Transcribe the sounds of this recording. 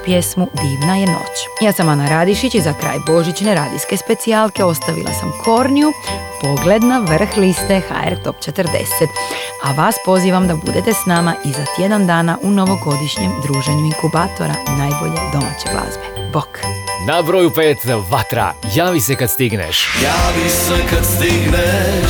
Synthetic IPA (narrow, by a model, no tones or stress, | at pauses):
pje̞smud̪iːʋnaje̞no̞̰t͡ɕjaːsamanaɾaːd̪iʃit͡ɕizakɾa̰ːjbo̞ʒit͡ɕneɾaːd̪ḭske̞spe̞t̪sialˠke̞o̞st̪aʋḭlʔa̰sa̰mkʰo̞ɾnijupo̞ɡle̞d̪naʋr̩xlist̪e̞xa̰ḛɾt̪o̞pt͡ʃe̞t̪ɾd̪e̞̰set̪aʋaːspo̞ziːʋamd̪abṵd̪et̪e̞snamaʔizat̪je̞d̪and̪aːnaʔuno̞ʋo̞ɡo̞d̪iʃɲemd̪ɾuːʒeɲuiŋkubaːt̪o̞̰ɾa̰naːjbo̞̰ʎe̞d̪o̞ma̰ːt͡ɕe̞̰ɡla̰zbeboknabɾoːjupeːt̪ʋat̪ɾa̰jaːʋisekad̪st̪iɡnḛʃjaːʋisɛkad̪st̪iɡne